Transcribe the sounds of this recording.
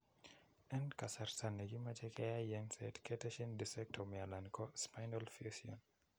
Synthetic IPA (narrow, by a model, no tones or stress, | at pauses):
ɛnkasarstanːɛɡimat͡ʃɛkʰɛjajɛŋsɛ̰tkɛtɛʃindisɛk̚tʰɔmialankɔspajnɔlfesiɔn